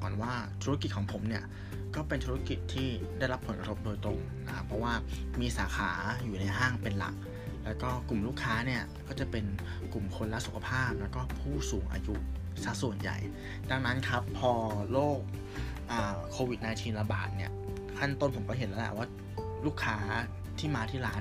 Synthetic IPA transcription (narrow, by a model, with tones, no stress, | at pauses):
kɔː˨˩nwaː˥˩t̪ʰu˦˥ki˨˩t̪̚kʰɔː˩˦ŋpʰo˩˦mni˥˩ɐ | kɔː˥˩pe˧nt̪ʰuː˦˥a˧ki˨˩t̪ʰːiː˥˩da˥˩jɾa˦˥pʰːnka˧t̪ʰo˦˥p̚doː˧jt̪ɾo˧ŋ | na˦˥kʰa˦˥pʰɾɔ˦˥waː˥˩miː˧saː˩˦xʰaː˩˦juː˨˩na˧jɦaː˥˩ŋpe˧nla̰˨˩k̚ | lɛː˦˥wkɔː˥˩ku˨˩mluː˥˩kʰːaː˦˥ni˥˩ɐkɔː˥˩t͡ɕa˨˩pe˧n | ku˨˩mkʰo˧nla˦˥ʔsu˨˩kʰa˧pʰaː˥˩p̚lɛː˦˥wkɔː˥˩pʰuː˥˩suː˩˦ŋʔa̰ː˧ju˦˥ | sa˧˩su˨˩ənja̰˨˩j | da˧ŋna˦˥nkʰa˦˥pʰːɔː˧loː˥˩k̚ | ʔaː˨˩kʰoː˧wi˨˩t̪̚naː˧jt̪ʰiː˧nla˧ba̰ː˨˩t̪̚ni˥˩ɐ | kʰa˥˩nt̪o˥˩npʰo˩˦mkɔː˥˩ɦe˨˩˦nlɛ˦˥lɛ̰˨˩waː˥˩ | luː˥˩kʰːaː˦˥ | t̪ʰiː˥˩maː˧t̪ʰiː˥˩laː˦˥